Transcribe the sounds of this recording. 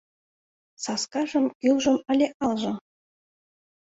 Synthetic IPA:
sɑskɑʒɤ̆mkʲylʒɤ̆mə̆lʲeʔɑlˠʒɤ̆

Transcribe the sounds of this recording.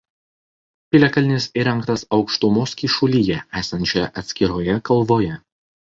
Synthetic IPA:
pʲɪlʲɛkɐlʲɪnʲɪsiɾʲɛŋˑkt̪ɐsɒʊkʃt̪ʊmoːskʲiːʃʊlʲijɛʔæːsɐnʲt͡ʃʲoːjɛʔɐt̪ʲsʲkʲɪɾoːjɛkɐlˠˑʋoːjɛ

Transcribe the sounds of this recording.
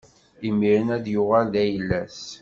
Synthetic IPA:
imːiɾənæðjʊʁæld̪æjəlːæs

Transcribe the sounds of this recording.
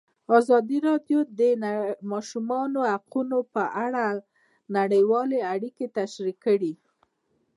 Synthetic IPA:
ɑzɑd̪iɾɑd̪jod̪əmɑʃumɑnohaqunopəʔaɽa | naɽəjwɑleaɽiket̪aʃɾikːəɽi

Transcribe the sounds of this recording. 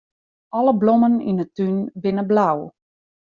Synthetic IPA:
ʔɑləblomənḭnətynbɪnəblaw

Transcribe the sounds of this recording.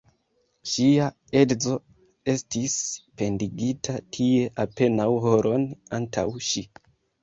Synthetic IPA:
ʃia | e̞dzo̞ | e̞stispe̞ndiɡitʰatʰie̞ʔape̞nawɦo̞ɾʔo̞nantʰa̰wʃi

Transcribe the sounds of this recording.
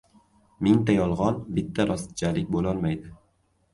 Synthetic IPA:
mɪŋt̪ajɒlˠʁɒnbɪt̪ʰːaɾʔɒst̪d͡ʒalɪk̚ʲbolɒlˠmajd̪ɪ

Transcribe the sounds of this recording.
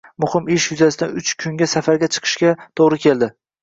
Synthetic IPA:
mʊhɪmɪʃjʊzasɪd̪aʊt͡ʃkʲʰʊŋɡʲasafaɾɡʲat͡ʃʰɨ̥qʰɨ̥ʃkʲat̪ʰoʁɾɪkʲʰe̞ld̪ɪ

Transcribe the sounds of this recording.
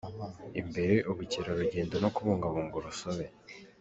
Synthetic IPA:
imbe̞ɾe̞ʔuβuciɾaɾuɟe̞ːndonokuβuːŋɡaβuːŋɡuɾusoβe̞

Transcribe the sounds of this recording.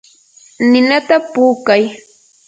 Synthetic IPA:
nɪnat̪apuːkaj

